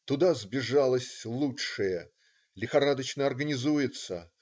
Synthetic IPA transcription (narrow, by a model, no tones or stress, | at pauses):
t̪ʊd̪azbʲɪʐalˠəsʲlˠuʂɨjə | lʲɪxɐɾad̪ət͡ɕnəɐrɡənʲɪzujɪt̪sə̰